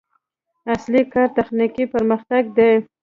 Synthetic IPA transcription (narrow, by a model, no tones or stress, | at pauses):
aslikɑɾt̪axnikipəɾməxt̪aɡ̚d̪e